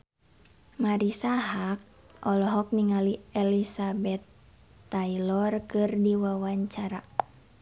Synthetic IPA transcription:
maɾisaɦak̚ | ɔlɔɦɔk̚niŋaliɛlisabɛt̪ː | ailɔrkɨrdiwawaɲt͡ʃaɾa

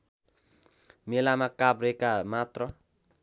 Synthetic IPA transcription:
melamakabrekamat̪rʌ

